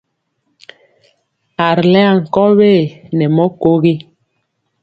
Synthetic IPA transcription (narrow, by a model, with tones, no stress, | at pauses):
a˨ɾlɛ˦a˨ŋ̩˨kɔ˦weː˦˨nɛ˨mɔ˦ko˦ɣi˦